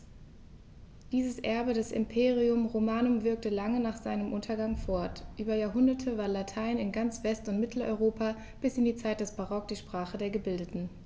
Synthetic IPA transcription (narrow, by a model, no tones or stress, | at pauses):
d̥iːzəsʔɛɐbədɛsɪ̰mpʰeːʁ̞iʊmʁomaːnʊmvɪɐk̚təlaŋənaːχz̥aɪnəmʔʊntʰɐɡaŋfɔɐtʔyːbɐjaːɐɦʊndɐtʰəvaːɐnlatʰaɪnɪnɡant͡sv̥ɛstʊntmɪtʰl̩ɔ̰ʏʁoːpa | b̥ɪsɪndiːt͡saɪt̚d̥ɛsb̥aʁɔk̚d̥iːʃpʁ̥aːχədeːɐɡəbɪldətn̩